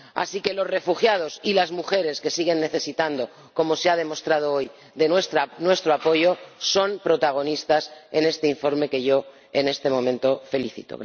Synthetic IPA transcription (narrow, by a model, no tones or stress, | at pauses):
a̰sike̞lo̞zre̞fuxjað̞o̞silazmuxe̞ɾe̞ske̞siɣ̞e̞nːe̞θe̞sit̪and̪o̞ | ko̞mo̞seað̞e̞mo̞st̪ɾað̞o̞oj | ðenest̪anwest̪ɾoapo̞ʝo̞so̞mpɾo̞t̪aɣ̞o̞nist̪asene̞st̪eiɱfo̞ɾme̞ke̞ʝo̞ | e̞ne̞st̪e̞mõ̞mẽ̞nt̪o̞fe̞liθḭt̪o̰